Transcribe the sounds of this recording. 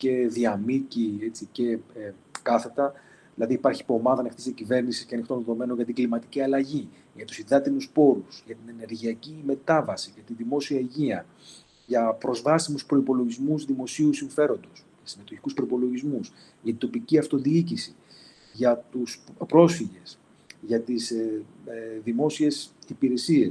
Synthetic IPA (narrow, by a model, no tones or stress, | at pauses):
ce̞ðiɐmiciet͡sice̞ | kɐθe̞t̪ɐ | ðilɐðiːpɐɾçipoːmɐðɐnext̪isðiɐcive̞ɾnisisceɐnixt̪o̞nðe̞ðo̞me̞no̞nʝɐt̪iɡlimɐt̪iciɐlɐʝi | ʝɐt̪u̥siðɐt̪inuspo̞ɾusʝɐt̪ine̞ne̞ɾʝiɐcime̞t̪ɐvɐsiʝɐt̪iðimo̞siɐeʝiɐ | ʝɐpɾo̞zvɐsimuspɾo̞ipo̞lo̞ʝizmuzðimo̞siusiɱfe̞ɾo̞nd̪o̞s | ɐsime̞t̪o̞çi̥kuspɾo̞ipo̞lo̞ʝizmus | ʝɐt̪ind̪t̪o̞piciɐft̪o̞ðiicisi | ʝɐt̪uspɾo̞sfiʝe̞s | ʝɐt̪is | ðimo̞sie̞sipiɾe̞sie̞s